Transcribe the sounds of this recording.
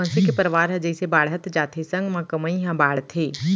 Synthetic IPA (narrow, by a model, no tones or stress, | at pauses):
ə̃nsikepəɾʋaːɾɦɛ̃d͡ʒəisebaːɽɦət̪d͡ʒaːt̪ʰesɐ̃ŋɡmãkəməĩɦãbaːɽt̪ʰeː